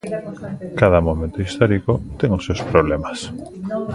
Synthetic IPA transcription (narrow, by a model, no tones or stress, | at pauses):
kaðamomẽnt̪oist̪ɔɾikot̪ɛŋosewspɾoβ̞lemas